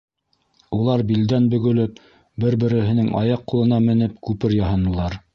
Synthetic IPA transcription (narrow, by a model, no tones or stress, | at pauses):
ulˠɑɾbild̪ænbɵ̆ɡɵ̆lɵp̚ | bɘɾbɘ̆ɾɘ̆ɦɘ̆nɘŋɑ̰jɑqːulˠɤ̆nɑmɘ̆nɘpkʉpɘɾjɑɦɑnɤ̆lˠɑɾ